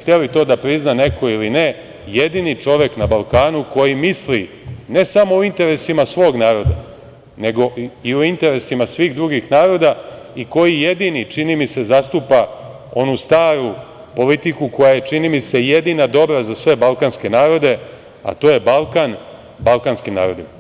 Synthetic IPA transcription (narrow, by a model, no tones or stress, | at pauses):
xt̪elit̪o̞ːd̪apɾiznane̞kʰo̞iline | jed̪init͡ʂo̞ʋe̞knabalˠkaːnuko̞jimisli | ne̞samo̞uint̪e̞ɾe̞simasʋo̞ːɡnaːɾo̞d̪a | ne̞ɡo̞iuint̪e̞ɾe̞simasʋiːɣd̪ɾuɡixnaːɾo̞d̪aiko̞jije̞d̪init͡ʃinimise̞zast̪uːpa | o̞nust̪aːɾu | po̞lit̪ikuko̞jaje̞t͡ʂinimise̞jed̪inad̪o̞bɾazasʋe̞balˠkanske̞naːɾo̞d̪e̞ | a̰t̪o̞ːje̞balˠkan | balkanskimna̰ːɾo̞d̪ima